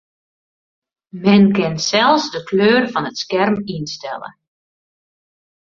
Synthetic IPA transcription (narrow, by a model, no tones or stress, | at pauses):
mɛnkɪnsɛlˠsdəkʰløːrfɔnətskɛrminstɛlˠə̰